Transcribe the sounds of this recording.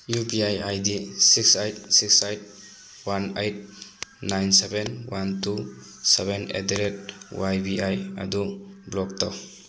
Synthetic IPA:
jubiajajdisiksajt̚siksajt̚ | wanejt̚najnsebenwantu | sebenḛdeɾet̚wajbiaja̰dublɔk̚taw

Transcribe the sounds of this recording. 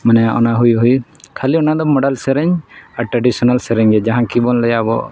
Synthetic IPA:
manɛjaʔɔ̰naɦujɦujkʰaliɔnad̪ɔmɔɖalsɛɾɛɲaɾʈɾaɖisɔnalsɛɾɛɲɡɛd͡ʒaɦãkibɔnlɛjabɔ̰

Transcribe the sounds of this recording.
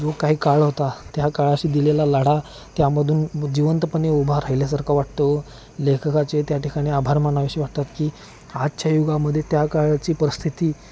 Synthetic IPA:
d͡zokaɦiːkaɭɦot̪at̪jakaɭaɕiːd̪ilelalaɽ̤a | t̪jaməd̪ʱuːnd͡ʑiʋənt̪əpəneubʱaɾaɦiljas̬aɾkʰaʋaʈ̚t̪o | lekʰəkat͡ɕet̪jaʈikaɽ̃iabʱaɾmanaʋiɕiːʋaʈ̚t̪at̪kiː | ad͡ʑt͡ɕjajuɡaməd̪ʱːjet̪jakaɭt͡ɕiːpəɾəst̪ʰit̪iː

